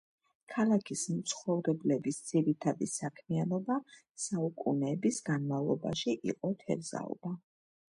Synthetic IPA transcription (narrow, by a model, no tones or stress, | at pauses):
kʰalˠakʰismt̪sʰχɔvɾɛblɛbisd̪z̥iɾit̪ʰad̪isakʰmianɔba | saukʼṵnɛːbisɡanmavlˠɔ̰ba̰ʃiʔḭqʼɔt̪ʰɛ̰ɾza̰ɔ̰ba